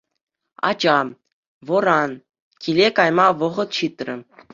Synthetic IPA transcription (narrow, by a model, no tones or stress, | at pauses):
ɑ̰d͡ʑɑ | ʋɤ̆ɾɑn | kʲilʲekɑjmɑʋɤ̆ʁɤ̆t̪ɕit̪rʲɘ̆